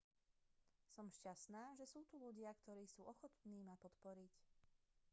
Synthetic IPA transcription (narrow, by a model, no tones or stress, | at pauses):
sɔmʃcasnaːʒɛsuːt̪uʎuɟɪakt̪ɔɾiːsuːʔɔxɔt̪niːmapɔt̪pɔɾic